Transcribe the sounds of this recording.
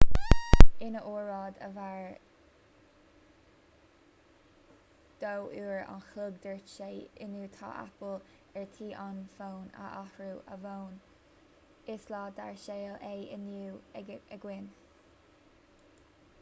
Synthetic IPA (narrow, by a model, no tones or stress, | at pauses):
ɪnəʔoːɹɹɑːd̪ə̰vaɹ | d̪̥owʔuːɹa̰nxlʊɡ̚d̪əɹʃeːɪnuːt̪ʰɑ̰ːʔa̰pəl | ɛɹt̪ʰiːʔanfoːnə̰ʔahɹuːʔə̰voːn | ɪslɑːd̪a̰ɹʃeːlejənuːəɡwɪn